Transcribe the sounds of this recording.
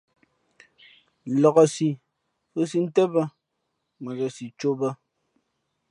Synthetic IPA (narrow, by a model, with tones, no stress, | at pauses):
lɔ˨ɣɔ˨si˨ | fo˦si˦n̩˦tɛ˦bə˦ | mə˨ɡə˨si˨t͡ʃo˦bə˦